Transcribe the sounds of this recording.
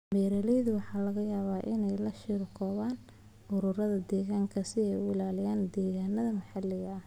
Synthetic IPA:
mɛːɾɐlɛjðʊwɑħɑːlɐɣɐjaːβaːʔɪnɛjlɐʃiːɾkʰɔːβaːn | ʔʊɾʊrɐðɐd̪ɛːɣaːŋkʰɐsɪɛjʊɪlaːlɪjaːnd̪ɛːɣaːnɐðɐmɐħɑlɪɣɐ

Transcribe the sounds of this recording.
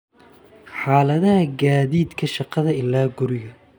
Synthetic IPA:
ħaːlɐðɐhɐɡaːðiːd̪kʰɐʃɑqɑðɐɪlːaːɡʊɾɪɣɐ

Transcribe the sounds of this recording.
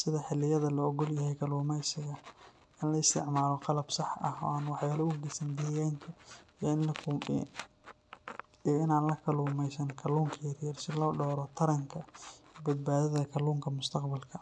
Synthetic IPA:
sɪðɐħɪlːɪjɐðɐlɔɔɡɔljɐɦɛjkʰɐluːmɛjsɪɣɐ | ɪnlɐɪst̪ʰɪʕmaːlɔqɑlɐbsɑħɐ̰hɔ̰ːaːnwɑħjaːlɔʊɡɛsɐnd̪iːjaːnk̪ʰɐiɪnlɐ | iɪnaːnlɐkʰɐluːmɛjsɐnkʰɐluːŋkʰɐjɐrjɐrsɪlɔːɖɔːɾɔt̪ʰɐɾɐŋkʰɐbɐd̪̚baːðɐðɐkʰɐluːŋkʰɐmʊst̪ʰɐqbɐlkʰɐ

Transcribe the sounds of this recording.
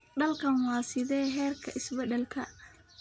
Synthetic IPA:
ɖɐlkʰɐnwɑːsɪðɛːɦɛːrkʰɐʔɪsbɛd̪ɛlkʰɐ

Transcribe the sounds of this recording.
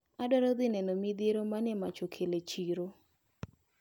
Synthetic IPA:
adɔɾɔd̪ɪnɛnɔmid̪eɾomanɛmat͡ʃokʰelet͡ʃiɾo

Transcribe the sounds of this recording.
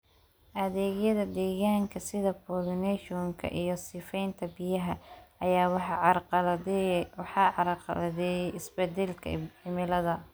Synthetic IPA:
ʔɐðɛːɣjɐðɐd̪ɛːɣaːŋkʰɐsɪðɐpʰɔlnɛʃɔŋkʰɐ̰ʔijɞsɪːfɛjnt̪ʰɐbɪjɐɦɐɐjaːw | wħɑðɛjɪsbɛd̪ɛlkʰɐ̰ɪmɪlɐðɐ

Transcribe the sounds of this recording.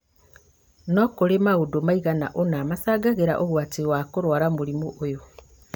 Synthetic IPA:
nokoɾemaɣudomaiɣana̰ʔonaːmasaːɡaɣeɾa̰ʔoɣwatiwakoɾwaːɾamuɾimoʔojo

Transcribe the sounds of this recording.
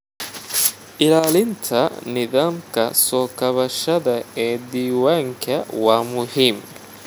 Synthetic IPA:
ʔɪlaːlɪnt̪ʰɐnɪðaːmkɐ̰sɔːkɐβɐʃɐðɐɛːd̪iːwaːŋkʰɐwaːmʊhiːm

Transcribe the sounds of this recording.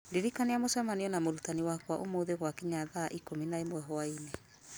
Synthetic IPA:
deɾikaneamosɛmaniɔnamoɾutaniwakwaʔomoðeɣwakiɲaðaʔikominaemwɛɦɔaine

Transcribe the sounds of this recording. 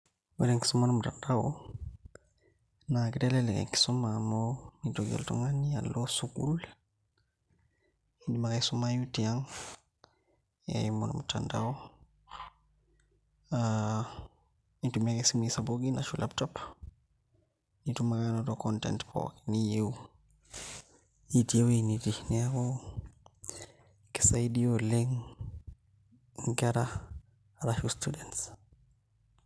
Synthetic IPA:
wɛdeŋki̥sumanmutandaw | nakidɛlɛlɛkɛ̰ŋki̥sumamɔwnitoɡɛ̰ltɔ̰ŋanːialːosukṵl | indimakajsumajutiaŋ | ɛ̰jmonṵmutandaw | nitumiakɛsimisaboɡinaʃulʔap̚tɔp | nitumaɡanɔtɔkɔntɛ̰ntpʰɔ̰kinijewu | itiewnitinɛakɔ | kɛ̥sajdiɔleŋ | ŋɡaɾa | ɾaʃustudɛnts

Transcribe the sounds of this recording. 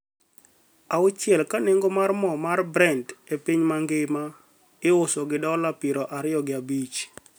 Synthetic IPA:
aʊt͡ʃjɛlkaneŋɡomarmɔmarbɾɛndepiɲmaŋɡɪma | ɪʊsɔɡɪdɔlapɪɾɔʔaɾɪjɔɡɪabit͡ʃ

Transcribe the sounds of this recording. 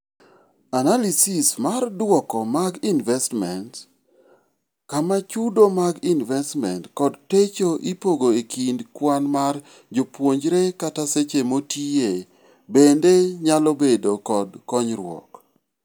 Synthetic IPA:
analisismardwɔkɔmaɡinvɛstmɛnt | kamat͡ʃudomaɡinvɛstmɛntkɔdtet͡ʃoʔipoɡoekʰindkwanmar | d͡ʒopwoɲd͡ʒɾekataset͡ʃemotie | bendeɲalɔbedokɔdkɔɲɾwɔ̰k

